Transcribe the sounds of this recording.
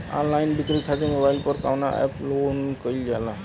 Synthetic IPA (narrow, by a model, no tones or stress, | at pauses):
ã̰nlainɖikɾik̪ʰatemobaɪlpəɾka̰ʋna̰ʔɛ̰ploːnkəild͡ʒala